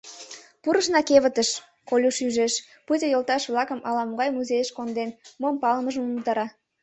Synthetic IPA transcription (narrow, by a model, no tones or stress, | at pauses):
puɾəʃnɑkeβə̆t̪əʃ | kolʲuʃyʒeʃ | put̪ʲəjolt̪ɑʃβlɑkəmʔɑlɑmoɣɑjmuzejəʃkond̪enmompɑləməʒəməmut̪ɑɾɑ